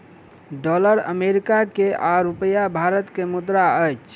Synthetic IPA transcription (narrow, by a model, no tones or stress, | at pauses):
ɖɔləɾə̰meɾikakeʔaɾupəjabʱaɾət̪kemud̪ɾaəjt͡ʃʰ